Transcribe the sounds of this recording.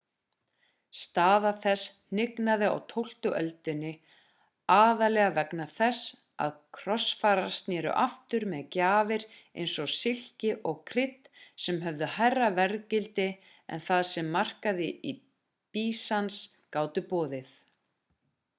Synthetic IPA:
st̪aːðaθɛsn̥ɪknaðɪa̰wt̪ʰowl̥t̪ʏʔœlt̪ʏnːɪ | aːðalɛːɣavɛknaθɛs | a̰ðkʰɾɔsfaːɾḁst̪njɛːɾʏ̰ʔaft̪ʏɾmɛðcaːvɪɾḛjnsɔsɪl̥cɪʔɔɣkʰɾɪt̪ | sɛmɦœvðʏhajrːavɛɾðcɪlt̪ɪ | ɛ̰nθaðsɛmːar̥kaðɪi | piːsanskaːwt̪ʏpɔːðɪθ

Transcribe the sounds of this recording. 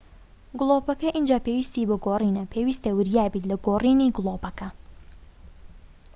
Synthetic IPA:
ɡʊlˠoːpɐkɐʔind͡ʒaːpewist̪iːbɐɡoriːnɐpʰeːwist̪ɐwɨɾjaːbiːt̪lɐɡoːriniɡlˠopɐkɐ

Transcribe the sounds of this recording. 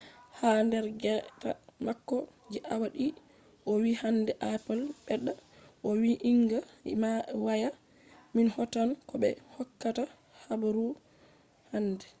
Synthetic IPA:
handɛɾɡɛta̰makːɔd͡ʒiʔawaɗi | ʔɔwihandɛʔapɛlbɛɗːaʔɔwiʔiŋɡamawaja | minhɔtankɔbɛ̰hɔkːata | habaɾu | handɛ

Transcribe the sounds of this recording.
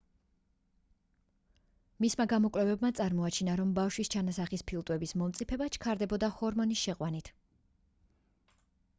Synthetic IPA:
mismaɡamɔkʼwlɛvɛbmat̪sʼaɾmɔat͡ʃʰinaɾɔmbafʃwist͡ʃʰanasaχispʰilˠt̪ʼwɛbismɔmt̪sʼipʰɛbat͡ʃʰkʰaɾd̪ɛbɔd̪ahɔɾmɔnisʃɛqʼwanit̪ʰ

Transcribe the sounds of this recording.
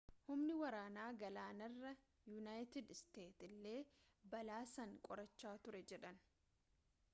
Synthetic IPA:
hʊmnɪwɐɾaːnaːɡɐlaːnɐrːɐ | junaːjt̪ɪd̪st̪e̞ːt̪ɪlːe̞ː | bɐlaːsɐŋkʼɔɾɐt͡ʃːaːt̪ʊɾɛd͡ʒɛᶑɐn

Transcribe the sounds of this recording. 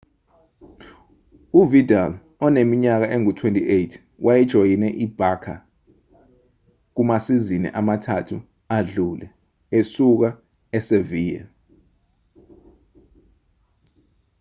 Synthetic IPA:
uvidal | ɔnemiɲak̬aʔeŋutʰwentʼiʔejtʰ | wʔajɛd̥ʒ̥ʱojinɛʔib̥ʱakʰa̰ | k̬umasizinɛ̰ʔamatʰatʰu | aɮulɛ̰ | esuk̬a | ɛseviːjɛ̰

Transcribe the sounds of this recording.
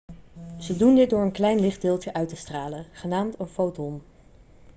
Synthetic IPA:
z̥ədundɪt̚dʊːɹənklɛjnlɪχd̚dɪːlˠtəʔœɥtəstraːlənχənaːmtənfowtɔm

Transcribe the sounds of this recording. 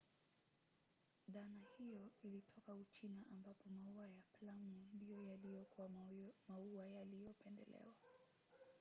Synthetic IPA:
ðanahijɔilitʰɔkaut͡ʃinaʔambapɔmauajaplamundijɔjalijɔkuamauajalijɔpɛndɛ̰lɛ̰wa

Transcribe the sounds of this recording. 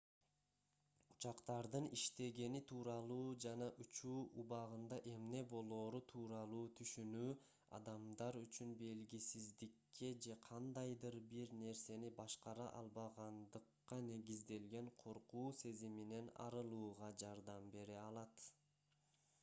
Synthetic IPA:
u̥t͡ʃɑqt̪ɑɾd̪ɯniʃt̪e̞ɡe̞nit̪ʰuːɾɑlˠuːd͡ʒɑnɑʔut͡ʃuːʔuβɑʁɯnd̪ɑʔe̞mne̞bo̞lˠo̞ːɾut̪ʰuːɾɑlˠuːt̪ʰyʃynyː | ɑ̰d̪ɑmd̪ɑɾyt͡ʃynbe̞lɡisizd̪ikːe̞d͡ʒe̞qʰɑnd̪ɑjd̪ɯɾbiɾne̞ɾse̞nibɑʃqɑɾɑʔɑ̰lˠβɑʁɑnd̪ɯqːɑne̞ɡizd̪e̞lɡe̞ɴqʰo̞ɾquːse̞zimine̞nɑ̰ɾɯlˠuːʁɑd͡ʒɑɾd̪ɑmbe̞ɾeɑlˠɑt̪

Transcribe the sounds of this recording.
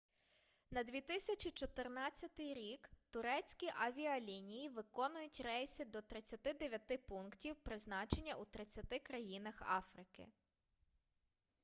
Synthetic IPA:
nɐd̪ʲʋʲit̪ɪsʲɐt͡ʃʲit͡ʃɔt̪ɪrnɑt͡sʲːɐt̪ɪjɾʲikt̪ʊɾɛt͡sʲkʲiʔɐʋʲiɐlʲinʲijiʋɪkɔnʊjʊtʲrɛjsʲɪd̪ɔt̪ɾɪt͡sʲːɐt̪ɪd̪eʋʲjɐt̪ɪpunktʲiwpɾɪznɑt͡ʃenʲːɐʔut̪ɾɪt͡sʲːɐt̪ɪkɾɐjinɐxɑ̰fɾɪkɪ̰

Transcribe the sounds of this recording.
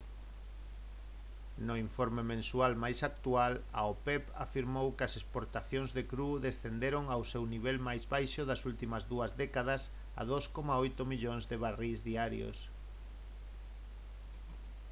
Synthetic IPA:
noiɱfoɾmemẽnsualmajsak̚t̪uala̰opɛpa̰fiɾmowkɪɐsespoɾt̪aθjoŋzðekɾuðesθend̪eɾoŋawsewniβ̞ɛlmajzβajʃoðɐsult̪imɐzðuɐzðɛkað̞ɐs | a̰ðoskomaojt̪omiʎoŋzðeβarizðiaɾjo̰s

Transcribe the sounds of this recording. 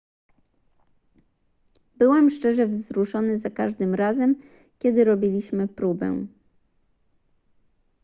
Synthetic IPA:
bɘwɛmʂt͡ʂɛʐɛvzɾuʂɔnɘzakaʐd̪ɘmɾazɛm | kʲɛd̪ɘɾɔbʲilʲiɕmɘpɾubɛ̰̃

